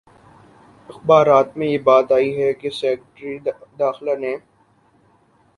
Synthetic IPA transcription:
ɪxbaːɾaːt̪mẽjebaːt̪aːiɦɛkesɛːkʈɾid̪aːxlanẽ

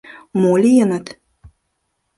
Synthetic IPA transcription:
molʲijənət̪

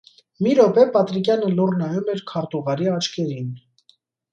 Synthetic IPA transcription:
miɾɔpɛpɑt̪ɾikjɑnəlurnɑjumɛɾkʰɑɾt̪uʁɑɾiɑt͡ʃʰkʰɛɾin

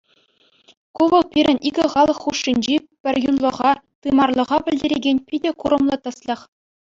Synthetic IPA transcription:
kuʋɤ̆lˠpʲiɾʲɘ̆nʲʔiɡʲɘ̆χɑlˠɤ̆χːuʂːinʲd͡ʑipʲɘ̆rʲjunlˠɤ̆ʁɑt̪ɯmɑrlˠɤ̆ʁɑbʲɘ̆lʲdʲeɾʲeɡʲenʲpʲidʲekuɾɤ̆mlˠɤ̆t̪ɤ̆slʲɤ̆χ

